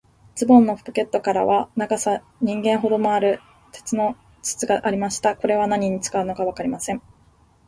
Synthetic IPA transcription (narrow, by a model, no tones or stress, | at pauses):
t͡sɨbõ̞nːo̞ɸpoke̞t̪ːo̞kaɾa̰βanaɡasa | ɲ̟ĩŋɡẽ̞ɰ̃ɦo̞d̪o̞mo̞aɾɯ̟ | t̪e̞̥t͡sɨno̞ | t͡ɕɨ̥t͡sɨɡaʔːɾʲimaɕi̥t̪ako̞ɾe̞β̞anaɲ̟iɲ̟it͡sɨ̥kaɯ̟no̞kaβakaɾʲimasẽ̞ɴ̃